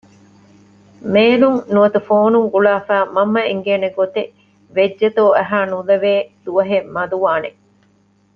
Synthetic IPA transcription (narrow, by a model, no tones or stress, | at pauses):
meːluŋnuɐt̪ufoːnuŋɡuɭaːfæːmɐmːɐiŋɡeːneɡot̪e | ʋed͡ʒːɐt̪oːɐɦaːnulɐʋeːd̪̥uʋɐɦemmɐd̪uʋaːne